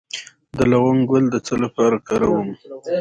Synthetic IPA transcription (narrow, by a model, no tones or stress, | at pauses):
d̪əlaɣʊŋɡʊld̪ət͡səlapɑɾakɑɾawum